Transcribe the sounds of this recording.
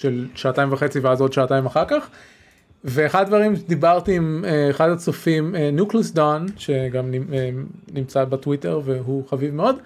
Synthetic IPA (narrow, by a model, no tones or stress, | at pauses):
ʃelʃaːtaimvaχe̞t͡siveazo̞d̪ʃaːtaimaχaʁkaχ | veːχadad̪vaʁimd̪ibaʁt̪iːmeːχadat͡sofimenjukles̬d̪onʃe̞ɡamnienimt͡sabetwite̞ʁve̞ɦuχavivmeo̞d̪